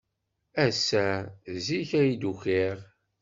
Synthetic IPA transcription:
æsːæziçæjid̪uçiʁ

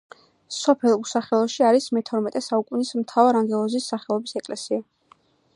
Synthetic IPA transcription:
sɔpʰɛlˠusaχɛlˠɔʃiaɾismɛt̪ʰɔɾmɛt̪ʼɛsaukʼunismt̪ʰavaɾaŋɡɛlˠɔzisːaχɛlˠɔbisɛkʼlɛsia

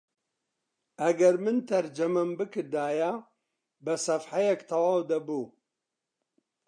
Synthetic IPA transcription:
ɐɡɐɾmɨnt̪ʰɐɾd͡ʒɐmɐmbɨkɨɾd̪aːja | bɐsɐfħajɛkt̪ʰɐwaːwd̪ɐbuː

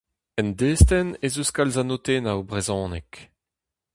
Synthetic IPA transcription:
ɛnd̪eːst̪ɛnezuskalzanot̪eːnaubʁezɑ̃ːnɛk

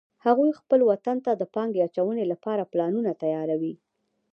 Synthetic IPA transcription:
haɣujxpəlwat̪ant̪ad̪əpɑŋɡeat͡ʃawənelapɑɾaplɑnunat̪ajɑɾawi

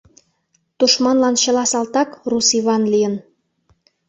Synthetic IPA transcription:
t̪uʃmɑnlɑnɕɤ̆lɑsɑlt̪ɑkrusiβɑnlijən

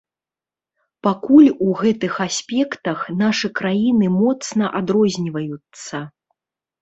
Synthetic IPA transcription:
pakulʲuɣɛt̪ɨxasʲpʲɛkt̪ɐxnaʂɨkɾajinɨmɔt̪snɐʔad̪ɾɔzʲnʲivɐjut̪sːɐ

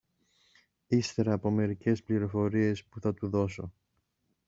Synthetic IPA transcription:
ist̪e̞ɾɐːpo̞me̞ɾice̞spliɾo̞fo̞ɾie̞spuθɐt̪uðo̞so̞̰

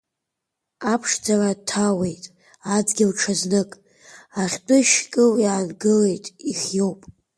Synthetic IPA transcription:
apʰʂd͡zaratʰawe̞jtʼ | ad͡zɡʲɪlʈ͡ʂʰaznɨkʼ | aχʲtʷʼʊʃkʼɨwjaːnɡɨle̞jtʼiχʲjo̞wpʼ

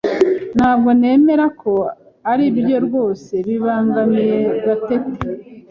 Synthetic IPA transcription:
n̥haːbɡo̞ne̞ːme̞ɾakʰo̞ | aɾibjo̞ɾɡo̞ːse̞βiβaːŋɡamije̞ɡatete̥

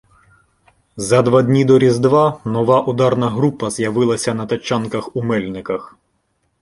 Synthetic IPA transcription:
zɐd̪ʋɑd̪ʲnʲid̪ɔɾʲizd̪ʋɑnɔʋɑʔud̪ɑrnɐɦɾupɐzjɐʋɪlˠɐsʲɐnɐt̪ɐt͡ʃːɑnkɐxumɛlʲnɪkɐx

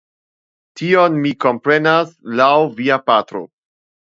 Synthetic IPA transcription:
tio̞nmiko̞mpɾe̞naslawviapatɾo̰

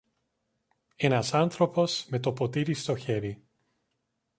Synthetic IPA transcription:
e̞nɐsɐnθɾo̞po̞sme̞t̪opo̞t̪iɾist̪o̞çe̞ɾi

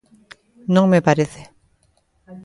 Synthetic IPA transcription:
nɔŋmepaɾeθe

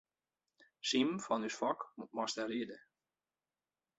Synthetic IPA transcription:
simfɔnysfɔkmutmɔstəɾiədə

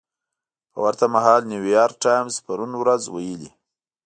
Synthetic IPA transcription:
pə̰waɾt̪amaɦɑlniwijɑɾk̚ʈɑjmzpaɾunwɾazwajəlḭ

